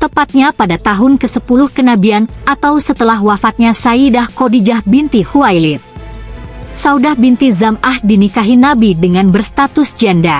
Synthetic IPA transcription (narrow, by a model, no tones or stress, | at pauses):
t̪əpat̪̚ɲapadat̪aɦʊnkəsəpulʊhkənabianʔat̪awsət̪əlaɦwafat̪̚ɲasaidahkodid͡ʒahbint̪ihuajlɪt̪̚ | saudahbint̪izamʔahdinikaɦinabidəŋanbərst̪at̪ʊsd͡ʒanda